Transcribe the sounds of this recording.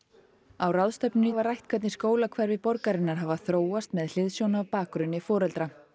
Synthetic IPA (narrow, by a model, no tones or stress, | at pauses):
awrawðst̪ɛpnɪnɪvaɾrajht̪̚kʰvɛt̪nɪskoːwlakʰvaɾvɪpɔɾkaɾɪnːaɾ̥ɦaːvaθɾoːwast̪mɛðl̥ɪðsjɔwnapaːkɾʏnːɪfɔːɾɛlt̪ɾa